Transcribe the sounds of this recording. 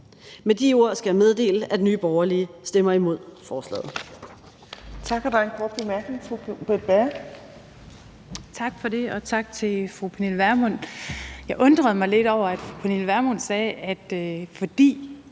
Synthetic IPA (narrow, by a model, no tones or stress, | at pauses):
med̥io̝ɐ̰sɡ̥æmeð̞ˠd̥e̝̰ːləæd̥enyːb̥ɒʊɐliəsd̥emɐimo̝ð̞̰ˠfɒːslɛ̰ːð̩ˠ | t͡sʰɑ̈ɡ̥hæd̥uɐenkʰɔːd̥̚b̥emæɐɡ̥ne̝ŋfʁub̥ed̥̚b̥æɐ | t͡sʰɑ̈ɡ̥fɒ̽de̝ɒ̽t͡sʰɑ̈ɡ̥̚t͡sʰe̝fʁupʰenelʋæɐmɔn̰jɑ̈ɪʔɔ̽nd̥ʁɐð̞̩ˠmɑ̈ɪle̝d̥ɒʊ̰ɐæd̥fʁupʰenelʋæɐmɔnsɛːæd̥fɒd̥ḭː